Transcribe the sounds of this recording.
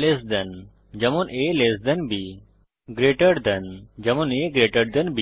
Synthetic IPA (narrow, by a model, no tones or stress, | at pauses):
lesd̪ɐn | d͡ʒɐmonʔeleːsd̪ɐnbi | ɡɾeʈəɽd̪ɐnd͡ʒɐmoneɡɾeːʈəɽd̪ɐnbi